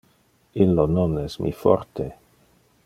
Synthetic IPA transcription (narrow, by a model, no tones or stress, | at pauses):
ilːononɛsmʔḭfɔ̰ɾt̪ʰe